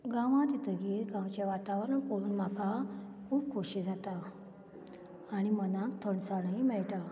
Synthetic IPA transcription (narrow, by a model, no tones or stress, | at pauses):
ɡãʋãt̪it̪ʰəɡeːt̪ɡãwt͡ɕjaʋat̪aʋɾəɳkoɽuːnmakʰakʰuːb̚kʰoɕid͡zat̪a | ɽ̃imənãkt̪ʰəɳsaɽaimɛɭʈa